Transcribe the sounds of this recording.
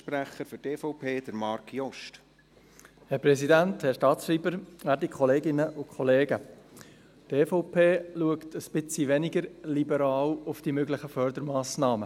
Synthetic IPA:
pɾæχəɾfyteːfɔʊpʰeːd̥̪əɾmɑɾkʰjɔʃt | hɛɾpɾɛsidænthɛɾʃtɑːtʃriːbəɾæɾdikχɔleːɡɪnəʔʊkʰχɔleːɡə | teːfɔʊpʰeːluəktəspɪt͡siʋɛnɪɡəɾlibəɾɑːlʊfd̥imøɡlɪχəfœɾd̪əɾmɑːsnɑːmə

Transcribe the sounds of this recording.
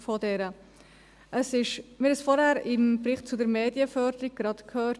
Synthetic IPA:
fɔdɛɾə | ʔəsɪʃmɪɾhɛsfɔɾhæːɾɪmbɾɪχtt͡sʊdəɾmeːdjəfœːɾdəɾiɡ̚ɡ̥ɾɑtkʰhøːɾ

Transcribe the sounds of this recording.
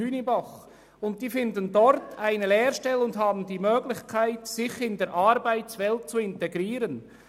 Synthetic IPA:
yːnibaχ | ʊnt̚d̥iːfɪndəndɔɾtʰaɪnəlɛːɾʃtɛlʊndɦaːbn̩diːmøːɡlɪçkʰaɪtsɪçɪndeːɾʔaɾbaɪt͡svɛlt̚t͡suɪntɛɡɾiːɾən

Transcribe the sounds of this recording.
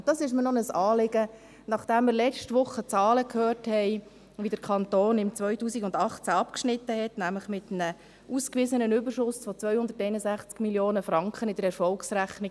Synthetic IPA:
d̥ɑsɪʃ̬mənɔnəsɑːlɪɡə | nɑχd̥ɛmːɪːɾlɛt͡ʃtʋʊχːət͡sɑːləkʰhøːrthɛɪ | ʋidəɾkʰɑnt̪oːnɪmt͡sʋœʏtuːsiɡʊndɑχt͡sæɑpkʃnɪt̪ːəhɛtnæmləχmɪtnə | ʔuːskʋɪːzənənʏbərʃʊsfɔt͡sʋœʏhʊnd̥̪əɾtɛɪnəzæχt͡skmiljoːnəfɾɑŋkχənɪdəɾɛɾfɔlksɾæχnɪɡ

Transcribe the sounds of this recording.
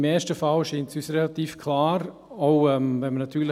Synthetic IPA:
mɛːʃtəfalʃiːntsysɾɛlatiːfkʰlaːɾ | ɔʊɛmvɛnmənatʰyːl

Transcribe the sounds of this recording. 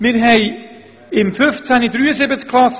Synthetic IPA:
mɪɾɦɛɪ | ɪmfʏft͡sanidɾyːəzɪbət͡skʰlas

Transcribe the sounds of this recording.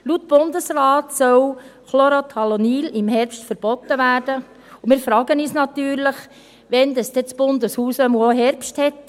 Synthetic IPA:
lut̪b̥ʊnd̪əsɾɑːtsœwχloɾotʰɑlonilɪmhɛɾpʃtfəɾb̥ɔt̪ːəʋæːɾd̥ə | ʊmɪːɾfɾɑːɡənyːsnɑtyːɾləχ | ʋɛnd̪ɑsd̥ɛt͡sb̥ʊnd̪əshuːsœmuoɦɛɾpʃthɛt

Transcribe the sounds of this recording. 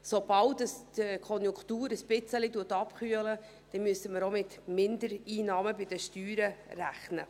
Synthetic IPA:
sobɑltəstkʰɔnjʊŋktuːɾəsb̥ɪt͡səlituːtɑpχyələ | d̥ɛnmyəsəməɾomɪt̪mɪndəɾiːnɑːməbɪdəʃtyːɾəræχnə̰

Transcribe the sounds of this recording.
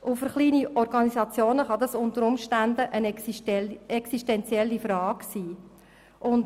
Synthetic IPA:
ʔʊfəɾχliːniʔɔrɡɑnisɑt͡sjoːnəχɑd̪ɑsʊnt̪əɾʊmʃtændəʔə | ɛksiʃtɛnt͡sjɛlːifɾɑːɡ̥siː | ʔʊnt

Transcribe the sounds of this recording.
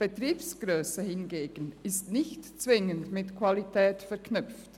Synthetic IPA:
b̥etʁiːpsɡ̥ʁøːsəhɪnɡeːɡ̥ənɪstnɪçtt͡svɪŋəndmɪtkʰv̥alitʰɛːtfɛɐkʰnʏpft

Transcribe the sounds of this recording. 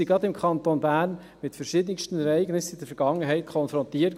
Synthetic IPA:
iɡɾɑdɪmkʰɑntoːnbæːrn | mɪtfɛɾʃiːdənɪkʃtən̩ɛɾɛɪɡnɪsɪd̥əɾfɛɾɡ̥ɑŋːəɦɛɪtkʰɔnfɾɔntiːə

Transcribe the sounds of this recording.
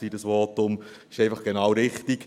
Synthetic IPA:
iːdəsʋɔːtʊm | ɪʃɛɪfɑχɡ̥enɑːwɾɪχtiɡ̥

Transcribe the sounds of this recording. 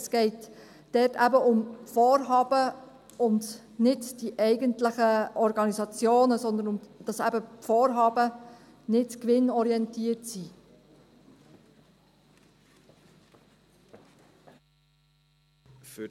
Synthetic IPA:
sɡ̥ɛɪt | d̥ɛtæ̰bəʔʊmfoːɾɦɑːb̥ə | ʊnd | nɪdd̥iʔɛɪɡəntləχəʔɔɾɡɑnizɑt͡sjoːnəsɔnd̪ənʊmd̥ɑsæ̰bəpfoːɾɦɑːb̥ə | nɪtkʋɪnɔɾiɛntiətsi

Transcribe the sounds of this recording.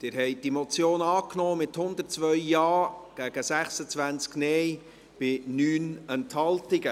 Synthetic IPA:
d̥ɪɾɦɛɪd̥imɔt͡sjoːnɑːknɔːmɪthʊnd̪ərtt͡svœʏjɑːɡ̥æɡ̥əsæχsət͡sʋænt͡sknɛj | b̥ɪnyːnɛnthɑltɪɡə

